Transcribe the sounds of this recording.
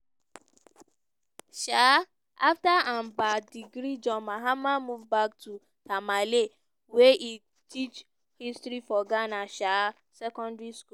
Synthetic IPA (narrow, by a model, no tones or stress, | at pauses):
ʃa | ʔaftaãnbadiɡɾid͡ʒɔ̃maɦamamuvbak̚tʰu | tʰamale | weʔi | tʰit͡ʃ | histɹifɔɡanaʃa | sɛkɔ̃ndɹisku